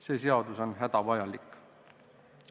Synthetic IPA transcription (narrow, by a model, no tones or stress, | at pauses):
se̞ːs̬e̞ɑd̪uso̞nɦæd̪̥ɑvɑjɑlikːˑ